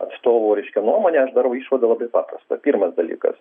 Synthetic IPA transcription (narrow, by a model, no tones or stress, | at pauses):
ɐ̰t̪st̪oːʋoːɾʲɛɪʃʲkʲonuɔmoːnʲɛɐʃd̪ɑɾʋɐʊiːʃʋɐd̪ɐlˠɐbɐɪpɑːpɾɐst̪ɐpʲiːɾmɐsd̪ɐlʲḭːkɐ̰s